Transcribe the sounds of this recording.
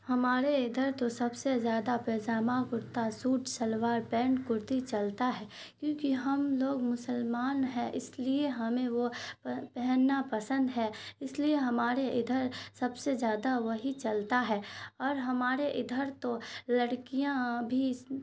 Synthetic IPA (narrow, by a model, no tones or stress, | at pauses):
hɐmaːɾeɪd̪ʱəɾt̪osɐbsezjaːd̪apɛːd͡ʒaːmakʊɾt̪asuːʈʰsɐlʋaːɾpɛ̃ːɳɖkʊɾt̪it͡ʃɐlt̪aɦɛː | kjõːkiɦɐmloːɡmʊsəlmaːnɦɛʔɪslieɦɐmẽʋoppɛɦɛnːapɐsə̃nd̪ɦɛːɪslieɦɐmaːɾeʔɪd̪ʱəɾsɐbsezjaːd̪aʋɐɦit͡ʃɐlt̪aɦɛːɔːɾɦɐmaːɾeʔɪd̪ʱəɾt̪olɐɽkijãbʱi